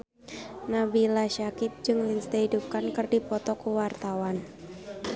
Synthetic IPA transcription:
nabilaʃakɪp̪̚d͡ʒɨŋlɪnsdaɦidup̚kankɨrdipɔt̪ɔkuwart̪awan

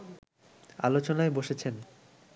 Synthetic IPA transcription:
a̰lot͡ɕonaeboʃet͡ɕʰen

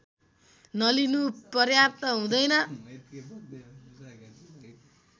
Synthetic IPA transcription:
nʌlinupʌrjapt̪ʌɦũd̪ʌjnʌ

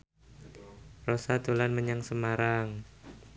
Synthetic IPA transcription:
rosat̪olanməɲaŋsəmaɾaŋ

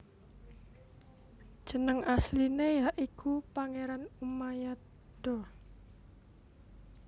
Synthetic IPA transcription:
ʒ̥ə̤nəŋaslinejaʔikupaŋeɾanumaja | d̪̥ɔ

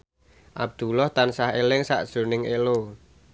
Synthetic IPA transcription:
ʔab̚d̪̥ṳlɔht̪ansaɦelɪŋsa̰ʔd̥ʒ̥o̤nɪŋelo

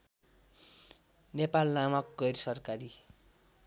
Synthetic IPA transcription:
nepalnamʌkɡʌjrsʌrkaɾi

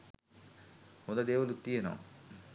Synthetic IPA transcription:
hõnd̪ɐd̪eːʋɐlut̪ːijenoʋ̰

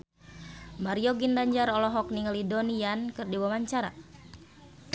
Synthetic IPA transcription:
maɾiɔɡindaɲd͡ʒaɾɔlɔɦɔk̚niŋalidoniankɨrdiwamaɲt͡ʃaɾa̰

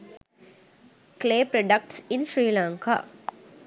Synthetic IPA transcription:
kleːpɾɔɖɐk̚ʈsɪnʃɾiːlãːŋka̰

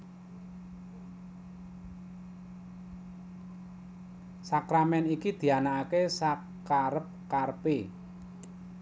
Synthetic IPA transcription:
sakɾamɛnikid̪̥i̤anaːkesa | kaɾəp̚karpi

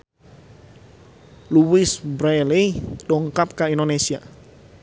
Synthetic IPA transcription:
luwɪsbɾeliɗɔŋkap̚kaindonesia

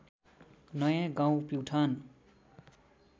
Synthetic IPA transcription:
nʌjãɡãw̃piwʈʰʌn

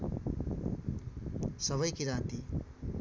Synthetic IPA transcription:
sʌβʌjkiɾãt̪i

